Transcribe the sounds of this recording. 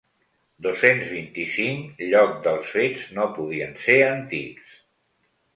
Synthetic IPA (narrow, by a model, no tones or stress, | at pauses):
d̪osenzβint̪isiŋkʎɔk̚d̪əlˠsfed͡znopuðiənseɾənt̪ḭks